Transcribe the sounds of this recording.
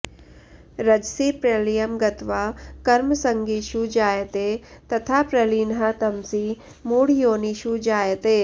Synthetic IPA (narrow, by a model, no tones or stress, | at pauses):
ɾɐd͡ʒsiːpɾeːlijəmɡɐt̪ʋakɐɾmsə̃ŋɡiʃud͡ʒaːjt̪et̪ɐt̪ʰaːpɾɐliːnɦat̪ɐmsi | muːɽjoːniʃud͡ʒaːjt̪eː